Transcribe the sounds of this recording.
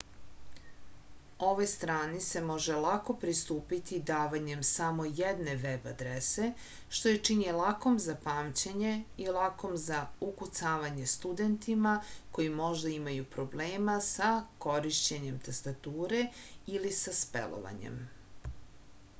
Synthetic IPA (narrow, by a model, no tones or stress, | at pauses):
o̞ʋo̞jst̪ɾaːnise̞mo̞ʒe̞lˠako̞pɾist̪uːpit̪id̪aːʋaɲe̞msamo̞jed̪ne̞ʋeba̰d̪ɾese̞ | ʃt̪o̞jet͡ʂiɲelˠako̞mzapaːmt͡ɕeɲe̞ilˠako̞mzaukut̪saːʋaɲe̞st̪ud̪ent̪imako̞jimo̞ʒd̪aimajupɾo̞bleːmasako̞ɾiʃt͡ɕeɲe̞mt̪ast̪at̪uːɾe̞ilisaspḛlo̰ʋa̰ɲḛm